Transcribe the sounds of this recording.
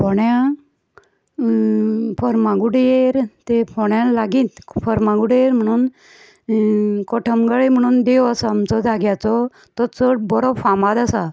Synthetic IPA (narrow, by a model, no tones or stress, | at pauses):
pɔɽjã | pəɾmãɡuɽjeɾt̪epɔɽjalaɡĩːt̪fəɾmãɡuɽeɾm̤əɽ̃uːn | kɔʈʰəmɡaɭem̤əɽ̃uːnd̪ewasaːmt͡sɔd͡zʱaɡjat͡sɔ | t̪ɔt͡səʈbɔɾobfamad̪asa